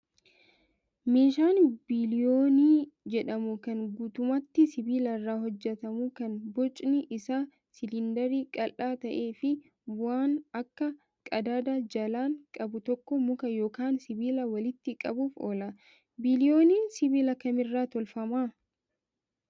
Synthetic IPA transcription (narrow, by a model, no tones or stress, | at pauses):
meːʃaːnbɪlɪjoːniːd͡ʒɛᶑɐmʊkɐŋɡuːt̪ʊmɐt̪ːɪsɪbiːlɐrːaːɦɔd͡ʒːɛt̪ɐmʊkɐnbɔt͡ʃʼnɪʔɪsaː | sɪlɪnd̪ɐɾiːkʼɐlʔaːt̪ɐʔeːfɪ | bʊaːnɐkːɐ | kʼɐd̪aːd̪aːd͡ʒɐlaːŋkʼɐbʊt̪ɔkːɔmʊkɐjo̞ːkaːnsɪbiːlɐwɐlɪt̪ːɪkʼɐbuːfoːlɐ | bɪlɪo̞ːniːnsɪbiːlɐkɐmɪrːaːt̪ɔlfɐmaː